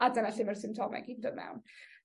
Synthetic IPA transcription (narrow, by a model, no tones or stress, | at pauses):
adanaɬɪmɛrsɪmtʰɔmɛ̰ɡidəmɛ̰wn